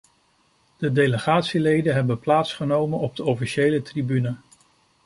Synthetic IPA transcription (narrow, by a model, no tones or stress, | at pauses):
d̥ədejləχaːtsilejdəɦɛbənplaːtsχənowmənɔb̚dəɔfiʃejlətribynə